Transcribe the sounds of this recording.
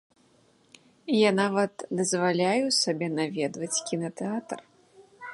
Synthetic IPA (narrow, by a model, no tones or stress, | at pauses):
janavɐt̪d̪ɐzvalʲajusabʲɛnavʲɛd̪vɐt͡sʲkʲinɐt̪ɛat̪r